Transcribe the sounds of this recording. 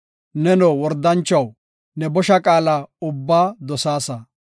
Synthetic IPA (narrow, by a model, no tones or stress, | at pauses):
nɛnɔwɔɾd̪ɐnt͡ʃːɐw | nɛbɔʃɐkʼaːlaʊbːaːd̪ɔsaːsɐ